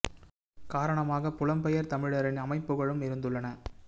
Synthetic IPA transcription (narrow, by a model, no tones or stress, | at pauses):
kaːɾɐɳɐmaːɣɐpʊlɐmpɛjɐɾt̪ɐmɪɻɐɾɪnɐmɐɪpːɯɣɐɭɯmɪɾɯnd̪ɯɭːɐnɐ